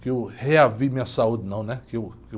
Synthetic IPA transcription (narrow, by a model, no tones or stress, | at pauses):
kɪewheavimĩɲɐsaud̪ɪnɐ̃w̃nɛkɪewk